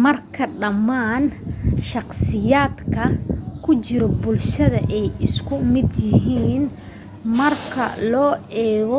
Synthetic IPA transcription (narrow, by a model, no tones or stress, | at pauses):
mɐrkʰɐɖɐmːaːnʃɑqsɪjaːd̪kʰɐkʰʊt͡ʃɪɾɔbʊlʃɐðɐʔɛjɪskʰʊmɪd̪jɪɦiːn | mɐrkʰɐ̰lɔːɛːɣɔ